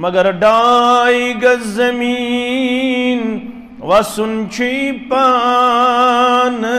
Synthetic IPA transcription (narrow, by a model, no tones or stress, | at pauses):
mɐɡɐɾɖaiɡɐzɐmi | n | ʋɐsunt͡ʃʰipa | n